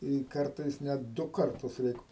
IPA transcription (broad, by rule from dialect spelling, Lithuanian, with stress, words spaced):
ɪ ˈkɐrtɐɪs ˈnʲɛt ˈdʊ ˈkɐrtʊs ˈrʲɛɪk